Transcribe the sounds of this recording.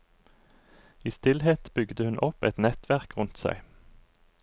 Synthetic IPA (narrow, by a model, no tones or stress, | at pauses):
iːst̪ɪlheːt̪b̥ʏɡd̪əhʉnʔɔpɛt̪nɛt̪ʰʋæʁkʁʉnt̪sæ̰ɪ